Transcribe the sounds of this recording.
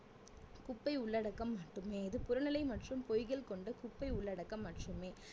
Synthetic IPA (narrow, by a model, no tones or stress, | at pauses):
kʊpːɐɪʊɭːɐɽɐkːɐmːɐʈːɯmeːɪðɯpʊɾɐnɐlɐɪmɐʈrɯmpɔjɣɐɭkɔɳɖɐkʊpːɐɪʊɭːɐɽɐkːɐmːɐʈrɯmeː